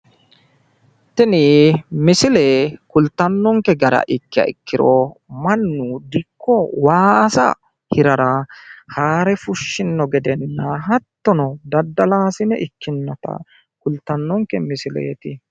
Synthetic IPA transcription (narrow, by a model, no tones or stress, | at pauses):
t̪ɛnɪmɪsɪleːkʊlt̪ːɐnːɔŋkːɛɡɐɾɐ̰ʔɪkːɪɐ̰ɪ̰kːɪɾɔmɐnːʊd̪ɪkʰːɔwaːɐsɐ̰ | hɪɾɐɾɐhaːɾɛfʊʃːɪnːɔɡɛd̪ɛnːɐɦɐt̪ːɔnɔd̪ɐd̪ːɐlaːsɪnɛʔɪkːɪnːɔt̪ɐ̰ | kʊlt̪ːɐnːɔŋkɛmɪsɪlɛ̰ːt̪ɪ